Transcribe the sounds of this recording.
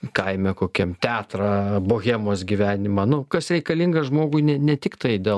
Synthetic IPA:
kɐɪmʲɛkoːkʲɛmt̪ʲæːt̪ɾɑːboːɣʲemoːsɡʲiʋʲæːnʲɪmɐnʊkɐsɾʲɛɪkɐlʲɪŋɡɐʒmoːɡʊɪnʲɛnʲɛt̪ʲɪkt̪ɐɪd̪ʲeː

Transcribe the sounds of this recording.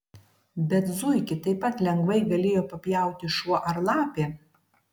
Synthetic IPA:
bʲɛt̪zʊɪkʲɪt̪ɐɪpːɐt̪lʲɛŋɡʋɐɪɡɐlʲeːjoːpɐpʲjæˑʊt̪ʲɪʃuɔʔɐɾlˠɑːpʲeː

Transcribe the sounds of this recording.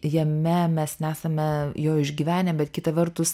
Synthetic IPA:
jɛmʲɛmʲɛsnʲɛæːsɐmʲɛjoːɪʒʲɡʲiːʋʲæːnʲɛbʲɛt̪kʲɪt̪ɐʋʲɛrt̪ʊs

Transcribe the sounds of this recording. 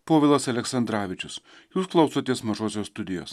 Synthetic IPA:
poːʋʲɪlˠɐsɐlʲɛksɐnd̪ɾɑːʋʲɪt͡ʃʲʊs | juːsklˠɐʊsoːt̪ʲiɛsmɐʒoːsʲoːst̪ʊd̪ʲɪjoːs

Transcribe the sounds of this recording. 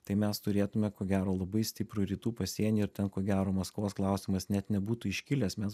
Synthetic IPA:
t̪ɐɪmʲɛst̪ʊɾʲeːt̪ʊmʲɛkoːɡʲæːɾoːlˠɐbɐɪsʲt̪ʲɪpɾʊɾʲiːt̪uːpɐsʲiɛnʲiɪɾt̪ʲɛnkoːɡʲæːɾoːmɐskʋoːsklˠɑˑʊsʲɪmɐsnʲɛt̪nʲɛbuːt̪uːɪʃʲkʲɪlʲeːsmʲɛs

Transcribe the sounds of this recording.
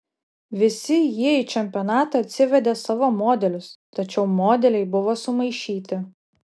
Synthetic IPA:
ʋʲɪsʲɪjiɛiːt͡ʃʲɛmʲpʲɪɔːnɑːt̪ɐɐt̪ʲsʲɪʋʲɛd̪ʲesɑʋoːmoːd̪ʲɛlʲʊst̪ɐt͡ʃʲɛʊmoːd̪ʲɛlʲɛɪbʊʋoːsʊmɐɪʃʲiːt̪ʲɪ

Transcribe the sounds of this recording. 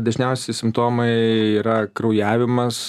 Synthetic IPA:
d̪ɐʒʲnʲɛʊsʲɛɪsʲɪmpt̪oːmɐɪiːɾɐkɾɐʊjæːʋʲɪmɐs

